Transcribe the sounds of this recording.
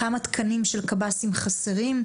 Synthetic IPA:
amat̪kʰɐnimʃelkabasimχaseʁim

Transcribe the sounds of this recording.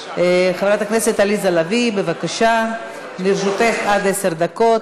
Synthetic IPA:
χavɾat̪aknese̞t̪alizalavibevakaʃa | niɾʃut̪e̞χad̪eseʁd̪ako̞t̪

